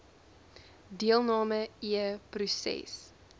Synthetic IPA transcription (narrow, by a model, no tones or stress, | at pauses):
diəlˠnɑːməiəprusɛ̰s